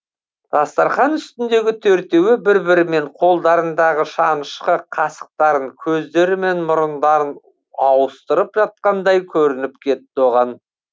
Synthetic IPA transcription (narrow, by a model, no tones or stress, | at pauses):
d̪̥ɑst̪ɑɾχɑnʏst̪ɪnd̪e̞ɡʲɪt̪ʰɵɾt̪e̞wɪbɪɾbɪɾɪme̞ɴqʰo̞lˠd̪ɑɾənd̪ɑʁəʃɑnəʃqəqʰɑsə̥q̚t̪ɑɾəŋkʲʰɵzd̪e̞ɾɪme̞nmʊɾənd̪ɑɾən | ɑwəst̪əɾəpʒɑt̪̚qɑnd̪ɑjkʲʰɵɾɪnɪp̚kʲʰe̞t̪ːɪo̞ʁɑn